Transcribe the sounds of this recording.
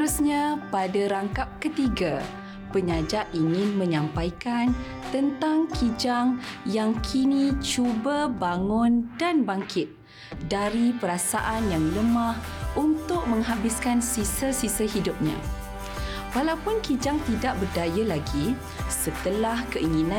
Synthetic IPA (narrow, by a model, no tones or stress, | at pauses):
ɾusɲãpadaɾaŋkap̚kət̪iɡa | pəɲãd͡ʒaʔʔiŋɪ̃nmə̃ɲãmpajkan | t̪ənt̪aŋkʰid͡ʒaŋjaŋkʰinĩt͡ʃubabaŋʊ̃ndanbaŋkɪt̪̚ | daɾipəɾasaʔanjaŋləmãhʔunt̪ʊk̚mə̃ŋɦabɪskansisəsisaɦidʊp̚ɲã̰ | walawpʊnkid͡ʒaŋt̪idaʔ̚bərdajalaɡi | sət̪əlahkəʔiŋinã